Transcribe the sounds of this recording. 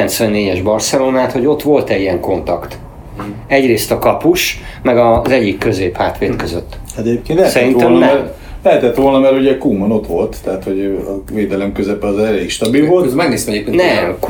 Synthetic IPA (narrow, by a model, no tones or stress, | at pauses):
ɛnt̪sʋɛnːeːɟɛʒbɒrsɛloːnaːt̪ho̞ɟo̞t̪ʋo̞lt̪ɛɟiɛŋko̞nt̪ɒkt̪ | ɛɟreːst̪ɒkɒpuʃmɛɡɒzɛɟːikːø̞zeːphaːt̪ʋeːt̪køzøt̪ːɛt̪ɛep̚kenlɛsɛɾinɛmnɛɛ | lɛɦɛt̪ɛt̪ʋolnɒmɛɾuɟɛkuːmono̞t̪ʋo̞lt̪ːɛɦat̪ho̞ɟɒveːd̪ɛlɛmkøzɛpɛɒzɛleːkʃt̪ɒbilvo̞lt̪ɛzmarneːsɛmɛɟeːp̚keːnnɛm